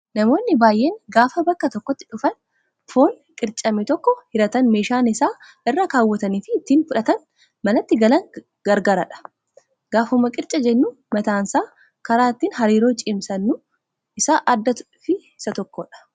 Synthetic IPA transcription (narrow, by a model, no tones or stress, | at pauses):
nɐmo̞ːnːɪbaːjʔeːŋɡaːfɐbɐkːɐt̪ɔkːɔt̪ːɪ̥ᶑʊfɐn | fo̞ːŋ | kʼɪɾt͡ʃʼɐmɛt̪ɔkːɔhɪɾɐt̪ɐnme̞ːʃaːnɪsaː | ʔɪrːɐkaːwːɐt̪ɐniːfɪt̪ːiːnfʊᶑɐt̪ɐn | mɐnɐt̪ːɪɡɐlɐŋ | ɡ̥ɐɾɡaːɾɐᶑɐ̥ | ɡ̥aːfʊmːɐkʼɪɾt͡ʃʼɐd͡ʒɛnːuː | mɐt̪aːnsaː | kɐɾaːt̪ːiːnɦɐɾiːɾoːt͡ʃʼɪmsɐnːʊ | ɪsaːʔɐd̪ːɐt̪ | fɪ | ɪsɐt̪ɔkːɔᶑɐ̥